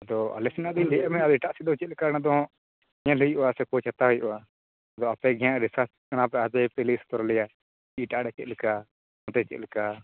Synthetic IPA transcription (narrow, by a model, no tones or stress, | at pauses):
ad̪ɔa̰lɛsinad̪iɲd̪ɛamɛad̪iʈaʔsid̪ɔt͡ʃɛt̪̚likanad̪ɔ̃ | ɲãlujʔɔasɛkɔt͡ʃʰat̪aɦujʔɔwa | d̪ɔapɛɡʱɛjãʔɾisat͡ʃkanapɛad͡ʒajpɛlist̪ɔɾɔlɛja | iʈaʔɖɛt͡ʃɛ̰t̪̚lika | mɔt̪ɛt͡ʃɛ̰t̪̚lika